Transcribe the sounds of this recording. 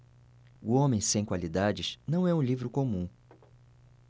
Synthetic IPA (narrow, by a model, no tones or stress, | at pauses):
uõmẽj̃sẽj̃kwalid̪ad͡ʒɪznɐ̃w̃ɛũlivɾʊkomũ